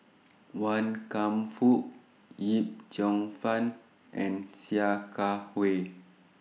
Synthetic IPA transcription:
wankamfuʔ | jip̚d͡ʒɔŋfan | ʔɛ̰̃nsiakʰawe

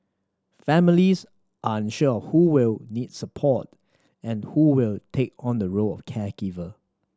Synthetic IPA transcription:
fɛmɪlis | ʔaɪ̃nʃəɔfhuwɪlnidsəpʰɔt̚ | ɛ̃nhuwɪltʰek̚ɔ̃ndəɹoɔ̰fkʰɛkivə

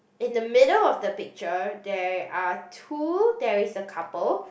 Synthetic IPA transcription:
ɪ̃ndəmɪdəlɔfdəpɪk̚t͡ʃədɛɹatʰudɛɹisəkʰapəl

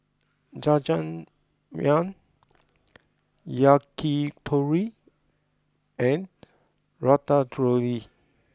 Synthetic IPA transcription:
d͡ʒad͡ʒãn | mãn | jakitʰoɹi | ɛ̃n | ɹɔtadɹoli

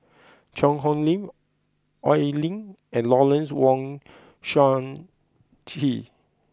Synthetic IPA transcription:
t͡ʃɔ̃ŋɔ̃nlĩm | ʔɔɪlĩŋ | ɛ̃nlɔlɛ̃nswɔ̃ŋ | ʃãn | tʰi

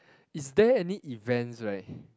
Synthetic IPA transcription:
isdɛɛniʔivɛ̃nsɹat̚

